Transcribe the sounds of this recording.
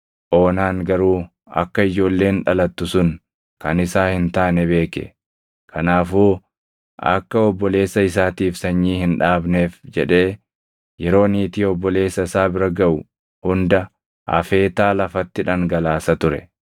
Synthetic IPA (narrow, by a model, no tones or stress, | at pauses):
ʔo̞ːnaːŋɡɐɾuː | ɐ̰kːɐɪd͡ʒo̞ːlːe̞ːnᶑɐlɐt̪ːʊsʊn | kɐnɪsaːhɪnt̪aːnɛbe̞ːkɛ̰ | kʰɐnaːfuː | ʔɐ̰kːɐɔbːɔle̞ːsːɐɪs̬aːt̪iːfsɐɲːiːhɪnᶑaːbne̞ːfd͡ʒɛᶑe̞ː | jɛɾo̞ːniːt̪iːɔbːɔle̞ːsːɐɪsaːbɪɾɐɡɐʔʊ | hʊnd̪ɐ | ʔɐ̰fe̞ːt̪aːlɐfɐt̪ːɪᶑɐŋɡɐlaːsɐt̪ʊɾɛ̰